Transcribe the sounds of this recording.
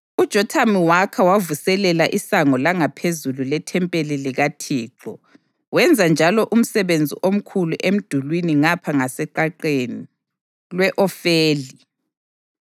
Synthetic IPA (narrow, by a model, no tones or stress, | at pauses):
ud̥ʒ̥ʱɔtʰamiwakʰawavusɛlɛlaʔisaŋɔlaŋapʰezululɛtʰɛmpʼeliliɣatʰiːǁɔ | wɛnd͡zʱand͡ʒʱalɔʔum̩sɛβend͡zʱḭʔom̩kʰuluʔem̩d̥ʱulwiniŋapʰaŋasɛǃaǃeni | lwɛʔɔfeːli